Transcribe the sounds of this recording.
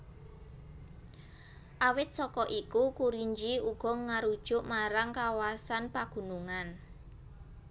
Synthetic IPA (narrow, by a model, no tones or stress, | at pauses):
ʔawɪt̪̚sɔkɔʔikukuɾiɲd͡ʒiuɡ̥ɔ̤ŋaɾud̥ʒ̥ʊʔmaɾaŋkawasanpaɡ̥ṳnuŋan